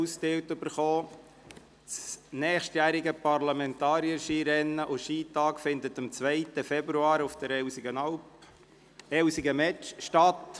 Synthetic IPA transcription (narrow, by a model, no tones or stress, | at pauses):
ustɪwtøb̥əɾχoː | t͡snɛːχʃtjæːɾiɡəpɑɾlɑmɛnt̪ɑːɾiəʃiːɾɛnːəʔʊʃiːt̪ɑːkfɪnd̪ət̪əmt͡sʋɛɪt̪əfɛbɾuɑːɾʊfd̥̪əɾɛsɡənɑlp | ɛwsiɡəmɛt͡ʃʃtɑt̪